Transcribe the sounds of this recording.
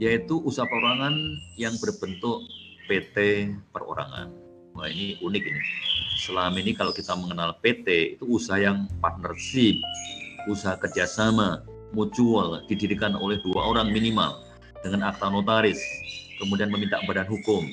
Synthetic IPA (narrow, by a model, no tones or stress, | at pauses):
jait̪uʔusaɦapəɾoɾaŋanjaŋbərbənt̪ʊʔ | pet̪epəro̰ɾa̰ŋa̰n | ainiunɪk̚inisəlamainikalokit̪aməŋənalpet̪eḭt̪uːsaɦajaŋpat̪̚nərsɪp̚usaɦakərd͡ʒasama | mut͡ʃuald̥idiɾikano̰lɛhdua̰oɾaŋminima̰l | d̥əŋanak̚t̪anot̪aɾɪskəmudianməmint̪aʔbadanɦukʊm